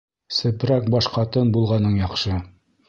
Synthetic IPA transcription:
sɘ̆pɾæk̚bɒʃqɑt̪ɤnbulˠʁɑnɤɴjɑqʃɤ

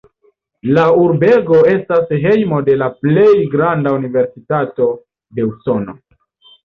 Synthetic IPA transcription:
lauɾbe̞ɡo̞e̞stasɦe̞jmo̞de̞laple̞jɡɾandaunive̞ɾsitato̞ | de̞uso̞no̞̰

